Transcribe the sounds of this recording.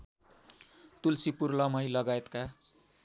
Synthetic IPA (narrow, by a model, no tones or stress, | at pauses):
t̪ulsipurlʌmʌjlʌɡaet̪ka